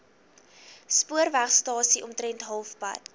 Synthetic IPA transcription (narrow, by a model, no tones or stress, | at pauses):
spuərvæχstɑːsiʔɔmtɾɛntɦɐlˠfpɐ̰t